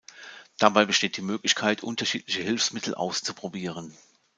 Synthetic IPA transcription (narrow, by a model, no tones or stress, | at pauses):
d̥abaɪbəʃteːt̚d̥iːmøːklɪçkʰaɪtʔʊ̰ntɐʃḭːtlɪçəhɪlfsmɪtʰl̩ʔa̰ʊst͡supʁ̥obiːʁ̞ən